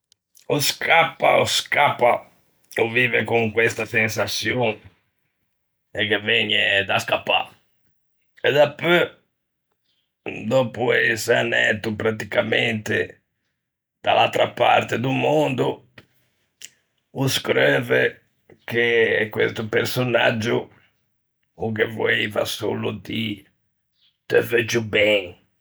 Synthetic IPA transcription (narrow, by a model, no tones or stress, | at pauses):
ɔskapːa̰oskapːa | oviːvekuŋkwɛst̪asɛnsasjon | ɛkːevɛɲɛd̪askapːa̰ | ɛd̪apø | d̪ɔpuɛsɛnɛ̰t̪upɾat̪ikamɛnt̪ḛ | d̪̥alalt̪ɾapa̰ɾt̪ed̪umond̪u | uskɾɛvɛ | k̟ekwḛst̪upeɾsona̰d͡ʒːu | kevoɛva̰so̰lud̪i | t̪ɛvɛd͡ʒubɛŋ